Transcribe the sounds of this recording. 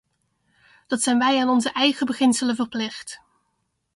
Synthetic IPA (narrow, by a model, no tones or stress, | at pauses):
d̥ɑtsɛjnʋɛjaːnɔnzəʔɛjχəbəχɪnsələvəɹplɪχt